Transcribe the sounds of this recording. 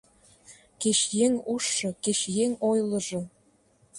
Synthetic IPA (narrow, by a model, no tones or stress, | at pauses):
keɕjeŋuʃːɤ̆keʃjeŋojlɤ̆ʒɤ̆